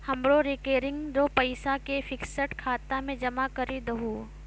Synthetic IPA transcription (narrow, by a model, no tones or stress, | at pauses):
hɐmɾoɾekeːɾɪ̃ŋɡd͡ʒoːpɐɪsakefɪksəʈkʰaːt̪amẽd͡ʒɐmakɐɾid̪ɐɦuː